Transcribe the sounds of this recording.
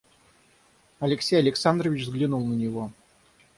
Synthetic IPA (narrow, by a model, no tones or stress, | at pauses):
ɐlʲɪksʲejɐlʲɪksand̪ɾəvʲɪt͡ɕzɡlʲɪnulˠnənʲɪvo